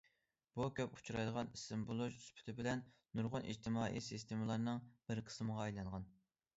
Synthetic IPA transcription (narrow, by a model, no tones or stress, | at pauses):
b̥ukʲʰøpu̥t͡ʃʰuɾɑjd̪əʁɑnisɪmbulˠuʒyspʰy̥t̪ʰɪbɪlɛn | nːuɾʁʊnʔḭd͡ʒt̪ʰɪmɑːʔḭsist̪ʰemɨlˠɑɾnɨŋb̥ɪɾqʰə̥sməʁɑɑjlˠɑɴʁɑn